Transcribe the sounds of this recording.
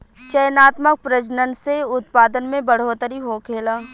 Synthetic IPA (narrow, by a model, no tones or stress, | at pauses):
t͡ʃəjnaːt̪mək̚pɾəd͡ʒnənseʊt̪̚paːd̪ənmẽbəɽ̤oːt̪əɾiɦoːkʰeːlaː